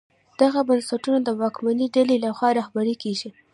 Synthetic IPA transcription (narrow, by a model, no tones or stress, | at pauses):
d̪̥aɣabansaʈunod̪əwɑkmaniɖalelaxwɑɾɑhbaɾekeɡi